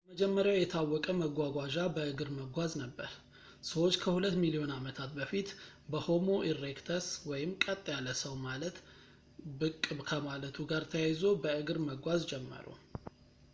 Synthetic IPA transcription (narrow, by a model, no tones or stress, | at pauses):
bəməd͡ʒɛmːəɾjawjɛt̪ʰawːɔkʼəməɡʷaɡʷaʒabəɨɡɨɾməɡʷaznəbːəɾ | səwo̞t͡ʃːkʰəhulət̪ːmilio̞namət̪ʰat̪̚bəfit̪bəho̞mo̞ʔirːekt̪ʰəswɔjɪmkʼət̪ʼːjalːəsəwmalət̪ | bɨkʼːɨβkʰəmalət̪ʰuɡaɾt̪ʰəjajzo̞bəɨɡɨɾməɡʷazd͡ʒɛmːə̰ɾṵ